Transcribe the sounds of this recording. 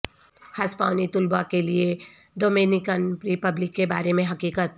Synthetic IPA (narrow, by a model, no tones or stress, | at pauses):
hɐspaːʊnit̪ʊlbakelie | ɖoːmenɪkənɾɪpəblɪkːeba̰ːɾemẽɦɐkiːkət̪̚